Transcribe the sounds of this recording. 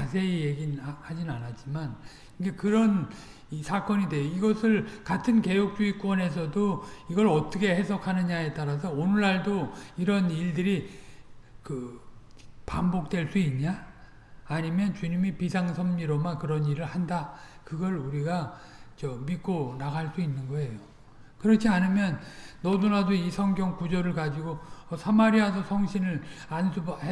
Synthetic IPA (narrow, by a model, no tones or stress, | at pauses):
as̬ʰe̞ijeɡinhad͡ʑinanat͡ɕ͈iman | inɡekɯɾʌn | isʰak͈ʌɲide̞joiɡʌsʰɯɭkatʰɯnke̞jok̚t͡ɕ͈uik͈wʌnɦe̞s̬ʰʌdoiɡʌɭʌt͈ʌkʰe̞he̞s̬ʰʌkʰanɯɲae̞t͈aɾas̬ʰʌonɯɭːaɭdoiɾʌniɭdɯɾi | kɯ | pambok̚t͈we̞ɭs͈uinɲaː | ɲimjʌnt͡ɕuɲimipisʰaŋsʰʌmɲiɾʌmakɯɾʌniɾɯɭhandakɯɡʌɭuɾiɡa | t͡ɕʌmik͈onaɡaɭs͈uinːɯnɡʌe̞jo | kɯɾʌt͡ɕʰianɯmjʌnːʌdunadoisʰʌŋɡjʌŋkud͡ʑʌɾɯɭkad͡ʑiɡoʌsʰamaɾiadʰosʰʌŋɕʰinɯɭansʰub